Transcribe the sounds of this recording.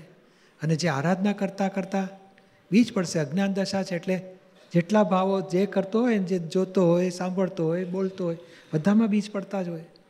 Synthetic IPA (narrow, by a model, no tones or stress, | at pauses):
əned͡ʒeaɾad̪ʱnakəɾt̪akəɾt̪a | bid͡ʒpəɽseəɡnand̪əʃat͡ʃʰeeʈle | d͡ʒeʈlabʱaʋod͡ʒekəɾt̪oɦojend͡ʒed͡ʒot̪oɦojsãmbʱəɭt̪oɦojbolt̪oɦojbəd̪ʱamãbid͡ʒpəɽt̪ad͡ʒoj